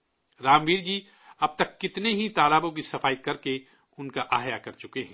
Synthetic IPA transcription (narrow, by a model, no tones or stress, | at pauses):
ɾaːmʋiːɾd͡ʒiː | ɐb̚t̪ɐkːɪt̪neɦit̪aːlaːbõk̬isɐfaːikɐɾke | ʊnkaʔaːjakɐɾt͡ʃʊkeɦɛ̃ː